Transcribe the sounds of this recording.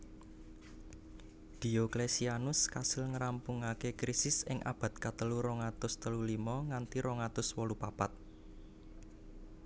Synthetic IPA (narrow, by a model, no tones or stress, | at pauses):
d̪̥i̤oklesianʊskasɪlŋəɾampuŋakekɾisɪsɪŋʔa̰b̥ä̤t̪̚kat̪əluɾoŋat̪ʊst̪əlulimɔŋant̪iɾɔŋat̪ʊswɔlupapat̪̚